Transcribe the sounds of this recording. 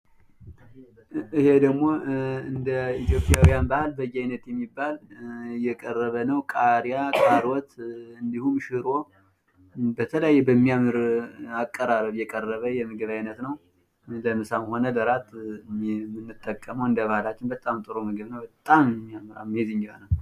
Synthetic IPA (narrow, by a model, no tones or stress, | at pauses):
ɨhe̞d̪əɡmo̞ɨnd̪əit̪ʰjo̞pʼjawijanbahalbəjːajnət̪jɛmːibːaljɛkʼərːəβənəwkʼaɾijakʼaɾwɔt̪ɨnd̪ihuʃɨɾo | bət̪ʰələjajːɛbəmːijamɨɾakʼːəɾaɾəβjɛkʼərːəβəjɛmɨɡɨβajnət̪nəw | ləmɨsamho̞nələɾat̪ | mːɨnːɨt̪ʼːəkʼːəməwɨnd̪əβahlat͡ʃːɪnbət̪ʼːamt̪ʼɨɾomɨɡɨβnəwbət̪ʼːammːiamɾa̰mːezɨɲd͡ʒwa̰nəw